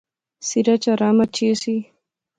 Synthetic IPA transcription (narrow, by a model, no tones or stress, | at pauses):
siɾat͡ʃaɾamat͡ʃesi